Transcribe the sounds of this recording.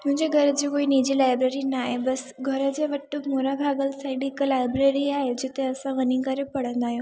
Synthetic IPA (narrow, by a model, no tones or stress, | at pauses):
m̤ə̃nd͡ʒeɡʱəɾət͡ʃekoinid͡ʒilajbɾeɾinajebəsɡʱəɾəd͡ʒeʋəʈːumoɾabʱaɡəlsajɽikəlajbɾeɾiaɦed͡ʒet̪eəsãʋənikəɾepəɽə̃nd̪ajo